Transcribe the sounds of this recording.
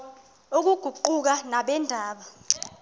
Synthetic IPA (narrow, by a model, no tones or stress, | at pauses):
ok̬uɡ̥ʱuǃuk̬anaɓɛndʱaːɓa